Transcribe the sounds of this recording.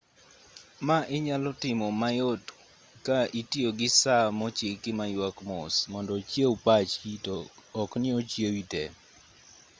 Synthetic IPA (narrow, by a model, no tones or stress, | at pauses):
maʔɪɲalɔtɪmɔmajot | kaitioɡɪsamɔt͡ʃekɪmajwakmɔsmɔndɔt͡ʃjewpat͡ʃitɔːknɪot͡ʃjewitɛ